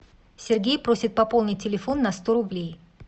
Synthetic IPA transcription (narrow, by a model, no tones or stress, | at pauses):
sʲɪrɡʲejpɾosʲɪt̪̚pɐpo̞lˠnʲɪt̚ʲtʲːɪlʲɪfo̞nːɐst̪oɾʊblʲej